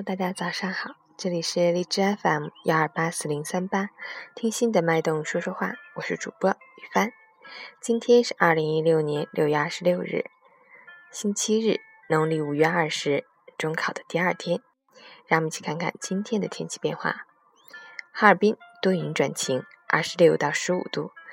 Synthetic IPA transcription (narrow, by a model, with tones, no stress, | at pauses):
o˧t̪a˥˧˩t͡ɕja˥t͡sɑ˨˩ʊʂɑ˥˩ŋxɑ˨˩˦ʊʈ͡ʂɤ˥˩li˨˩ʂɻ̩˥˧li˥˩ʈ͡ʂɻ̩˥a˥fa˧˥n˩i˧˥ɐ˞˨˩pa˥sɹ̩˥˩li˧˥ŋsa˥npa˥t̪ʰi˥ŋɕi˥nd̪ə˨ma˥˧ɪt̪ʊ˥˧ŋʂwu˥ʂwɔ˥xwa̰˥˩wɔ˨˩ʂɻ̩˥˩ʈ͡ʂṵ˨˩pwɔ˥y˨˩fa˥˩n | t͡ɕi˥nt̪ʰjɛ˥nʂɻ̩˥˧˩ʔɐ˞˥˩li˧˥ŋi˥ljo˥˩ʊnjɛ˧˥nljo˥˧ʊɥɛ˥˧a˞˥˩ʂɻ̩˧ljo˥˧ʊɻ̩̰˥˩ | ɕi˥nt͡ɕʰi˥ɻɻ̩˥˩ | nʊ˧˥ŋli˥˩u˨˩ɥɛ˥ɐ˞˥˩ʂɻ̩˧˥ | ʈ͡ʂʊ˥ŋkʰɑ˨˩ʊd̪ə̥˦t̪i˥˧ɐ˞˥˩t̪ʰjɛ˥n | ɻa˧˥˨m˧˩t͡ɕʰi˧˩kʰa˥˧nkʰa̰˥˩nt͡ɕi˥nt̪ʰjɛ˥nd̪ə˨t̪ʰjɛ˥nt͡ɕʰi̥˧˥˧pjɛ˥˧nxwa̰˥˩ | xa˥ə˞˨˩pi˥nt̪o˥y˧˥nʈ͡ʂwa̰˨˩nt͡ɕʰi˧˥ŋʔɐ̰˥˩ʂɻ̩˧˥ljo˥˩ʊ˩t̪ɑ˥˩ʊʂɻ̩˧˥ṵ˨˩t̪ṵ˥˩